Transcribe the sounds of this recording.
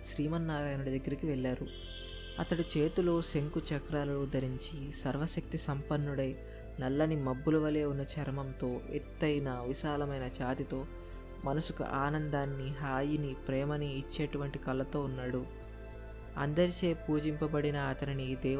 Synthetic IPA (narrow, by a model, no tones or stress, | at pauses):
ʃɾiːmɐnːaːɾaːjɐnuɽɐd̪ɐɡːɐɾikiʋɛɭːaːɾu | ɐ̰t̪ɐɽit͡ʃe̞ːt̪uloːseŋkut͡ʃɐkɾaːlɐloːd̪ɐɾiɲt͡ʃisɐɾʋɐʃɐk̚t̪isɐmpɐnːuɽɐj | nɐlːɐnimɐbːulɐʋɐle̞ːunːɐt͡ʃɐɾmɐmt̪o̞ːḛt̪ːɐjnɐʋiʃaːlɐmɐjnɐt͡ʃaːt̪it̪o̞ː | mɐnɐsukṵʔaːnɐnd̪aːnːiɦaːjinipɾɛːmɐniːt͡ʃːe̞ːʈuʋɐɳʈikɐlːɐt̪o̞ːunːaːɽu | ɐ̰nd̪ɐɾit͡ʃe̞ːpuːd͡ʒimpɐbɐɽinɐːt̪ɐniniːd̪ɛː